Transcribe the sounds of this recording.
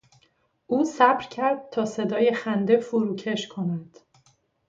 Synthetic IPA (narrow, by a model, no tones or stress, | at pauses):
ʔuːsæbɾcʰæɾd̪̚t̪ʰɒːse̞d̪ɒːje̞xænd̪efoɾuːcʰeʃkʰo̞mæd̪̥